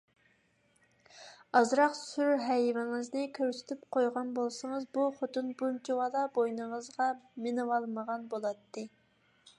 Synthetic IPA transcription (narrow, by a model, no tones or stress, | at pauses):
ɑzɾɑqsyɾɦɛjvɪŋɨznɨkʲʰøɾsɪ̥t̪ʰyp̚qʰojʁɑnbolˠsɨŋəzbuχot̪ɨnbunt͡ʃʰiwɑd̪ˠɑbojnɨŋəzʁɑmɪnɨwɑlˠməʁɑnbolˠɑt̪ːɨ